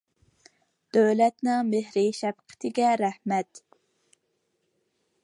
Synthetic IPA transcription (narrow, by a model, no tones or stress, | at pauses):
d̪̥øwlɛt̪nɪŋmehɾɪʃɛbqʰɪ̥t̪ʰɪɡʲɛɾæhmɛt̪